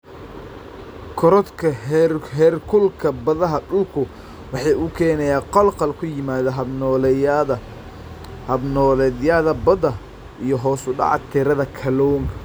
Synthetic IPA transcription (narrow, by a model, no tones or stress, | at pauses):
kʰɔɾɔt̪kʰɐɦɛrkʰʊlkʰɐbɐðɐɦɐɖʊlkʰʊ | wɑħɑːʔʊkʰɛːnɛjaːqɔlqɑlkʰʊjɪmaːðɐɦ | hɐbnɔːlɛðjɐðɐbɐd̪ɐ | ijɔɦɔːsʊɖɑ̰ʕɑ̰t̪ʰɪɾɐðɐkʰɐlɔːŋkʰɐ